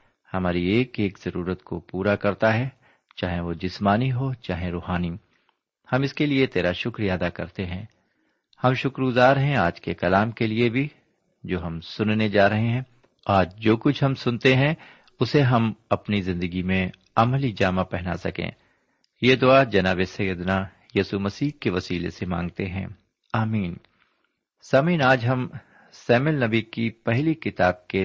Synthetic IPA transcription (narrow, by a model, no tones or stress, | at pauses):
hɐmaːɾieːkeːkz̥ɐɾuːɾət̪ko̰puːɾakɐɾt̪aɦɛ | t͡ʃaːɦẽʋod͡ʒɪsmaːniɦot͡ʃaːɦẽɾoːɦaːni | hɐmɪskeliet̪eːɾaʃʊkɾijaɐd̪akɐ̰ɾt̪eɦɛ̰̃ː | hɐmʃʊkɾɡʊzaːɾɦɛ̃aːd͡ʒkekɐlaːmkeliebʱi | d͡ʒoːɦɐmsʊnned͡ʒaːɾɐɦeɦɛ̃ː | aːɾd͡ʒoːkʊt͡ʃʰɦɐmsʊnt̪eɦɛ̃ | ʊseɦɐmɐpnizɪ̃nd̪əɡimẽ | ɐmlid͡ʒaːmapɛɦna̰sɐkḛ̃ː | jeːd̪ʊad͡ʒɐnaːbesɐjəd̪na | jiːsumɐsiːɦkeʋɐsiːlḛsemã̰ːŋɡ̚t̪eɦɛ̰̃ː | aːmiːn | sɐmiːnaːd͡ʒɦɐm | sɛːmɪlnɐbikipɛɦlikɪt̪aːb̚ke